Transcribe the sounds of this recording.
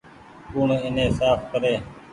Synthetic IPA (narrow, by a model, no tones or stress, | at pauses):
kuːɳɪnẽːsaːfkəɾeː